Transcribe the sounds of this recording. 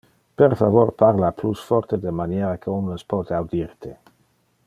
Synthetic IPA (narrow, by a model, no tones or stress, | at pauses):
peɾfavoɾpaɾlaplusfɔɾt̪ed̪emanjeɾakʰeunəspɔt̪eawd̪iɾt̪e